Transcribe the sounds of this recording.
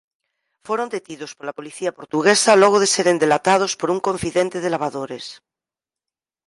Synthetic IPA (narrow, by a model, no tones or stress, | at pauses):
foɾond̪et̪iðospoɾlapo̞liθiapo̞ɾt̪uɣesaloɣ̞oðeseɾend̪elat̪að̞ospoɾuŋkõ̞ɱfiðent̪eðelaβ̞aðoɾes